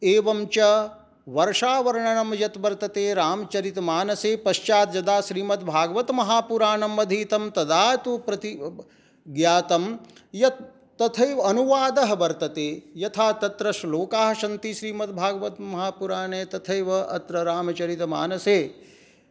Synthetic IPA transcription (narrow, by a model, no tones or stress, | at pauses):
eːʋɐmt͡ʃɐ | ʋɐɾʂaːʋɐɾɳɐnɐmjɐt̪ʋɐɾt̪ɐt̪eːɾaːmɐt͡ʃɐɾit̪maːnɐseːpɐʃt͡ʃaːt̪̚d͡ʒjɐd̪aːʃɾiːmɐt̪bʱaːɡʋɐt̪mɐɦaːpuɾaːnɐmɐd̪ʱiːt̪ɐmt̪ɐd̪aːt̪upɾɐt̪i | ɡjaːt̪ɐmjɐt̪ː | ɐt̪ʰɐjʋɐnuʋaːd̪ɐɦɐʋɐɾt̪ɐt̪eːjɐt̪ʰaːt̪ɐt̪ɾɐʃloːkaːɦɐʃɐnt̪iʃɾiːmɐt̪̚bʱaːɡʋɐt̪mɐɦaːpuɾaːneːt̪ɐt̪ʰɐjʋɐʔɐt̪ɾɐɾaːmɐt͡ʃɐɾit̪ma̰ːnɐseː